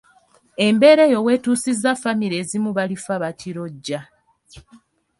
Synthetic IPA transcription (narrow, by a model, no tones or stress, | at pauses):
e̞mbe̞ːɾe̞ːjo̞we̞ːtuːsizafamiɾeːzimuβalifaβatiɾo̞ɟːa